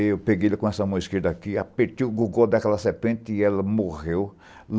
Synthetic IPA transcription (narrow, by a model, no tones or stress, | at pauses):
ewpeɡelɐkõɛsɐmɐ̃w̃iskiɾd̪ɐakiapeɾt̪iɡuɡowd̪ɐkɛlɐseɾpẽnt̪ɪɪɛlɐmoʁew | l